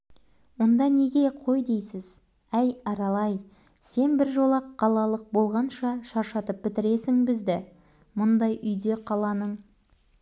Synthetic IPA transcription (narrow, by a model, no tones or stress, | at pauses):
wo̞nd̪ɑne̞ɡʲe̞qʰo̞jd̪e̞jsɪz̥ | æjɑɾɑlˠɑj | se̞nbɪɾʒo̞lˠɑqːɑlˠɑlˠəq̚bo̞lˠʁɑnʃɑʃɑɾʃɑt̪əp̚bɪt̪ɪɾe̞sɪŋbɪzd̪ɪ | mʊnd̪ɑjʔʏjd̪e̞qʰɑlˠɑnəɴ